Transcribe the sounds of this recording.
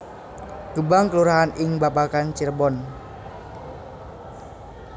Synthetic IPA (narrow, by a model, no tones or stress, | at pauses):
ɡ̥əbaŋkəluɾaɦanʔɪŋbapakant͡ʃirbɔn